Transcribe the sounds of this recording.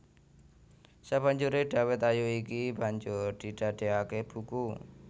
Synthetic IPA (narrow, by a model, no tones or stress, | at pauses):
sab̥a̤ɲd͡ʒuɾeɖ̥a̤wɛt̪ajuikib̥a̤ɲd͡ʒʊrd̪̥i̤ɖ̪̥ä̤d̪̥e̤akeb̥uku